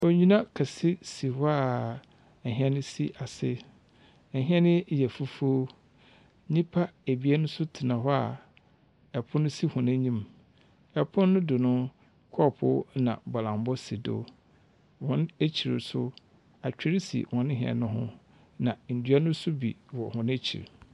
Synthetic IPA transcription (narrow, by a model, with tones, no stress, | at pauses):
o˨ɲĩ˦nã˦kʰa˨sɪ˦si˨hɔ˦a˨ | ɛ˨ɦɛ˦nʊ̃˦si˦ʔa˨sɪ̰˦ | ɛ˨ɦĩ˦ɛ˦nɪ̃˦˨jɛ˨fu˦fu˦o˦ | ɲĩ˦pʰa˦e˨bi˨˦a˦nʊ̃˦sʊ˦tʰɪ˨nã˨ɦɔ˦a˨ | ɛ˨pʰʊ̃˦nʊ̃˦si˦hʊ̃˨nã˦ɲĩ˦m | ɛ˨pʰʊ̃˦nːʊ̃˦dʊ˨nʊ̃˦ | kʰɔ˦˨pʰʊ̰˦nã̰˨bɔ˨lã˨mbɔ˦si˨do̰˦ | wɔ̃˦ne˦t͡ɕʰi˨ɾɪ̰˨sʊ˦ | a˨t͡ɕᶣɪ˦ɾi˦sḭ˨wɔ̃˨nɪ̃˦ɦɛ̰˨nʊ̃˦ɦʊ̰̃˦ | nã˨n̩˨dɥa˦nʊ̃˦sʊ˦bḭ˨wɔ˨hʊ̃˦n˦æ˦t͡ɕʰḭ˨ɾ